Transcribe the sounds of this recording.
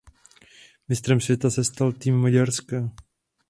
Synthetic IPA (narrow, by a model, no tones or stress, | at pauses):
mɪst̪ɾɛmsvjɛt̪asɛst̪alt̪iːmːaɟaɾska